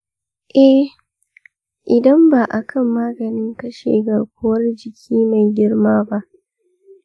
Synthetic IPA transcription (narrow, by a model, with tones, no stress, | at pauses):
ʔɛ˦ | ʔɪ˨dɐ˦mbaː˨ʔa˨kʰɐ˦˨mːaː˦ɡɐ˨nɪ˦ŋkɐ˦ʃḛː˨ɡɐ˨kʷo˦wɐ˦rd͡ʒɪ˨kʲʰiː˦ma˨jɡʲɪ˦rmaː˦ba˦ʔ